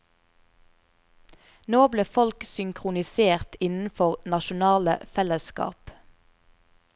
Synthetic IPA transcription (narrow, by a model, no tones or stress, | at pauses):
noːbleːfɔlksʏŋkʰʁʊnɪseːʁt̪ɪnn̩fɔʁnɑʃʊnɑːlə̰fɛləskɑ̰ːp